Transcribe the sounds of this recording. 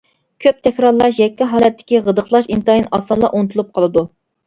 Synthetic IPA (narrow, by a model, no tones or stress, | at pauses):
kʲʰøp̚t̪ʰɛkʲɾɑɾlˠɑʃjɛkʲːiɦɑːlɛt̪ʰːɪ̥kʲiʁəd̪əχlˠɑʃint̪ɑjinɑsɑnlːˠɑʔont̪ʰulˠup̚qʰɑlˠɨd̪u